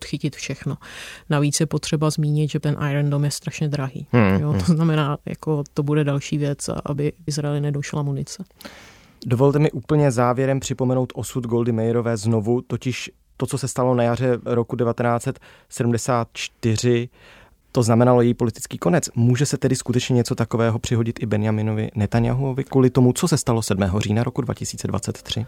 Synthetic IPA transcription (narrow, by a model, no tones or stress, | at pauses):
t̪xɪcɪt̪fʃɛxnonaviːt͡sjɛpo̞t̪r̝̥ɛbazmiːɲɪd̪ʒɛt̪ɛnʔajɾɛndomjɛst̪ɾaʃɲɛd̪ɾaɦḭːjot̪oznamɛnaːja̰ko̞t̪obudɛdalʃiːvjɛt͡sa̰ʔa̰bɪɪzɾaɛlɪnɛdoʃlamunɪt͡sɛ | do̞vo̞lt̪ɛmɪʔuːpl̩ɲɛzaːvjɛɾɛmpr̥ɪpomɛno̞wt̪ʔo̞sud̪ɡo̞ldɪmɛjɪɾo̞vɛːzno̞vut̪ocɪʃ | t̪o̞t͡so̞sɛst̪alo̞najar̝ɛɾo̞kudɛvat̪ɛnaːt͡sɛt̪ | sɛdumdɛsaːt̪̚t͡ʃt̪ɪr̝ɪ | t̪o̞znamɛnalo̞jɛjiːpo̞lɪt̪ɪ̥t͡skiːko̞nɛt͡smuːʒɛsɛt̪ɛdɪskut̪ɛt͡ʃɲɛɲɛt͡so̞t̪akovɛːɦo̞pr̝̥ɪɦo̞ɟɪt̪ʔɪbɛnɪjamɪno̞vɪ̰nɛt̪anja̰ɦuovɪkuːlɪt̪o̞mut͡so̞sɛst̪alo̞sɛdmɛːɦo̞riːnaɾo̞kudva̰cɪsiːt͡sɛdva̰t͡sɛt̪ːr̝̥ɪ